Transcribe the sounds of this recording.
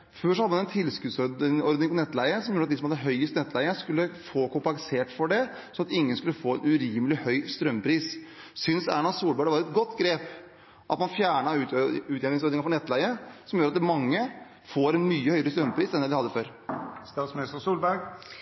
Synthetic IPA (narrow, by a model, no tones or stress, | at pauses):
føːʂɔhɑd̪əɑnɛnt̪ʰɪlskʉːd̪sɔɾɔɾd̪nɪŋfɔnɛt̪ːlæɪəsɔmjuːɾɑt̪d̪ɪsɔmhɑd̪ːəɦœʏəst̪nɛt̪læɪəskʉlːəfoːkʊmplɑŋseːʈfɔɖɛ | sɔnɑt̪ɪŋːənskʉlːəfoːɛnʉɾiːməlɪhœʏst̪ɾœmːpʰɾiːs | sʏnsæ̰ɳɑsuːlbæɖəʋɑːɾɛt̪̚ɡɔt̪ːɡɾeːp | ʔɑt̪mɑnfjæːɳɑʉʉːt̪ɛnɪŋsɔɾd̪nɪŋɑfɔnɛt̪ːlæɪəsɔmjuːɾɑt̪ːmɑŋːə | foːɾɛnmyːəhœʏəɾəst̪ɾœmːpʰɾiːsɛnd̪ɛd̪ɪhɑd̪ːəføːɾ | st̪ɑːt̪smɪnɪst̪əsuːlbæɡ